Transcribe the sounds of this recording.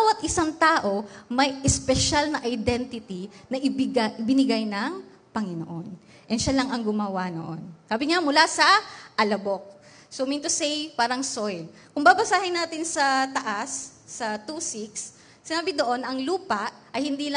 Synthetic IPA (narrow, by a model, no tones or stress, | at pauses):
bawɐt̪ʔɪsaŋt̪aːʔo̞mɐjʔɛspɛʃalnɐʔɐjd̪ɛnt̪ɪt̪inɐʔɪbɪɡaʔɪbɪnɪɡajnɐŋ | pɐŋɪno̰ʔon | ʔɛnʃalɐŋɐŋɡʊmɐwano̰ʔo̞nsaːbɪŋamʊlasɐʔɐlɐbok̚ | somint̪ʊsɛjpaːɾɐŋsojlkʊŋbabɐsaːhɪnaːt̪ɪnsɐt̪ɐʔasːɐt̪uːsiksː | ɪnaːbɪd̪oʔo̞nɐŋluːpɐʔʔɐjhɪnd̪iːlɐ